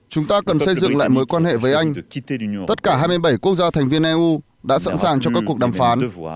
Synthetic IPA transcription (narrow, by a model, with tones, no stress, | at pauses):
t͡ɕʊ˨˦ŋ͡mt̪aː˧kə˨˩nsə˧jzɨ̰˧˨ŋla̰ː˧˨jməː˨˦jkwaː˧nhḛ˧˨vəː˨˦jʔa˧jŋ̟t̪ə˦˥t̚kaː˧˩ɦaː˧jmɨ˧jɓə˧˩jku˦˥k̚zaː˧t̪ʰɛ˨˩ŋ̟vi˧ənʔɛ˧ʔu˧ | ɗa̰ː˧˥sa̰˧˥nsaː˨˩ŋt͡ɕɔ˧kaː˦˥k̚ːək̚ɗaː˨˩mfaː˨˦n